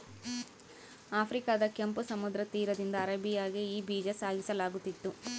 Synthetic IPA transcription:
aːpʰɾikaːd̪ɐkjempusɐmud̪ɾɐt̪iːɾɐd̪ind̪ɐːɾɐbijaːɡiiːbiːd͡ʒɐsaːɡisɐlaːɡut̪ːit̪ːu

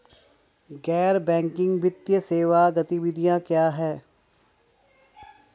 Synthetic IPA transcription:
ɡɛːɾbɛ̃ːŋkɪ̃ŋɡʋɪt̪jəseːʋaɡɐt̪iʋɪd̪ʱijãkjaːɦɛː

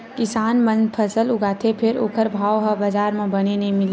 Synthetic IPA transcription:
kɪsaːnmə̃npʰəsəlʊɡaːt̪ʰepʰɪɾo̰ːkʰəɾbʱaːwɦəbəd͡ʒaːɾmẽbənenɐĩmɪl

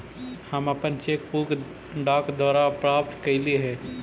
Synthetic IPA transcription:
həməpənt͡ʃekpuɡ | ɖaːkd̪waːɾapɾaːp̚t̪kəɪliɦɛː

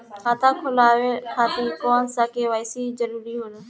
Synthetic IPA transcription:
kʰaːt̪ãːkʰʊlaːʋekʰãːt̪iːkɔːnsaːkeːʋaːɪsiːd͡ʒəɾuːɾiːɦʊːlː

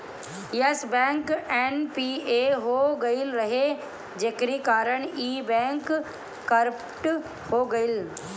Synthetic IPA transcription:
jəsbɛ̃ːŋkenpiːeɦoɡɐɪlɾɐɦe | d͡ʒeːkɾikaːɾəɽ̃iːbɛ̃ːŋkː | ɐɾəp | ʈ | hoɡɐɪl

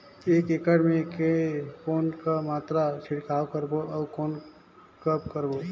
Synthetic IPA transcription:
eːkekəɽmẽkekoːnkamaːt̪ɾat͡ʃʰɪɽkaːwkəɾboɐːkoːn | kəp̚kəɾbo

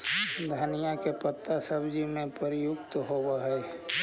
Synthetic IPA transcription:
d̪ʱanijãkepət̪ːasəbd͡ʒimẽpəɾɪjʊkt̪ɦowaɦɛː

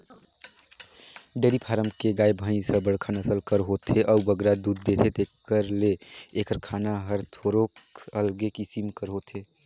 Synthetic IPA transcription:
ɖeːɾipʰaːɾəmkeɡaːjbʱə̃ĩsə̃bəɽ̤kʰənəsəlkəɾɦot̪ʰeʔəubəɡɾad̪uːd̪̚ːet̪ʰet̪eːkəɾleːkəɾkʰaːnaɦəɾt̪ʰoɾokəlɡekisimkəɾɦot̪ʰe

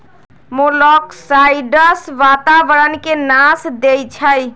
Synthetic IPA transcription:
molɔksajɖəsʋat̪abəɾənkenasd̪ejt͡ʃʰəj

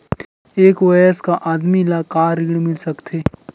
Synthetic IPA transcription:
eːkʋɐjəskaʔaːd̪milaːkaːɾɪɡɽmɪlsɐkt̪ʰeː

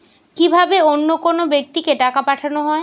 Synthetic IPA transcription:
kibʱabeonːokonobek̚t̪ikeʈakapaʈʰanoɦɔe

